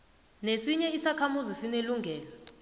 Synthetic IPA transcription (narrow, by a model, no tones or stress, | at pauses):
nesiɲɛisakʰamuzisineluŋʱɛːlɔ